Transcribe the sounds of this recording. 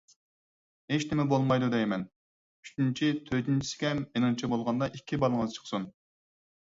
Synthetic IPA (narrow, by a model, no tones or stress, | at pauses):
het͡ʃnɪmɛbolˠmɑjd̪ud̪ɛjmɛn | yt͡ʃint͡ʃʰit̪ʰøt̪int͡ʃʰi̥sɪ̥kʲɛmenɨŋt͡ʃʰɛbolˠʁɑnd̪ɑʔikʲːibɑlˠəŋəzɨt͡ʃʰə̥χsun